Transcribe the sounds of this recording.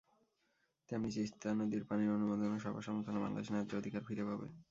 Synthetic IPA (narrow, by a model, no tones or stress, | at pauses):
t̪amnit͡ɕeist̪ʰanod̪iɾpaniɾonumod̪ʱonoʃɔba̰ʃɔmoɾt̪ʰoneba̰ŋla̰d̪eʃnad͡ʑod̪ʱikaɾfiɾepabḛ